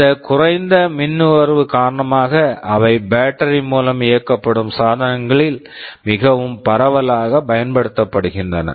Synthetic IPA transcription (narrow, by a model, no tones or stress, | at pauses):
ɐkʊrɐɪnd̪ɐmɪnːɯʋɐɾʋɯkaːɾɐɳɐmaːɣɐɐʋɐɪbaːʈːɐɾinmuːlɐmɪjɐkːɐpːɐɽɯmsaːðɐnɐŋɡɐɭɪl | mɪɣɐʋɯmpɐɾɐʋɐlaːɣɐpɐjɐnpɐɽɯt̪ːɐpːɐɽɯɣɪndrɐnɐ̰